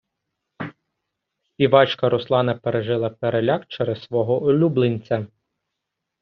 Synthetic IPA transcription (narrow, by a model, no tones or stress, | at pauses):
sʲpʲiʋɑt͡ʃkɐɾɔslˠɑnɐpeɾeʒɪlˠɐpeɾelʲɑkt͡ʃɛɾɛzsʋɔɦɔʔɔlʲublˠenʲt͡sʲɐ